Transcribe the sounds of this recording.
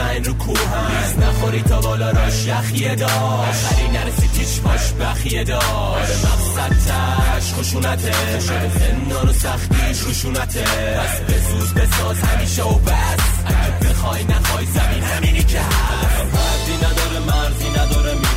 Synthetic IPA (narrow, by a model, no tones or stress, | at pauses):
æɾokʰuɦ | isnæχoɾiːt̪ʰɒːbɒːlɒɾɒʃæxied̪ɒː | ɒːxæɾiːnæɾesiːt͡ʃʰiʃpʰɒʃbæxied̪ɒː | ɾemæfsæd̪̚t̪ʰæ | æʃχoʃuːnæt̪ʰe | ʃoepʰend̪ɒːnosæχt̪iː | oʃuːnæt̪ʰe | pʰæsbesuːzbesɒːzhæmiːʃeobæsæɡæɾbexɒːjnæxɒːjzæmiːnhæmiːɾicʰæɾmæɾziːnæd̪ɒːɾemæɾziːnæd̪ɒːɾem